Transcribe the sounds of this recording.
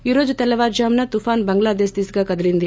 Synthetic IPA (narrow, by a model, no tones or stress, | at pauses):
iɾoːd͡ʒut̪ɛlɐʋaːɾd͡ʒaːmnɐt̪ufaːnbɐŋɡlaːd̪eːsd̪iːsiɡaːkɐd̪ɐɾind̪i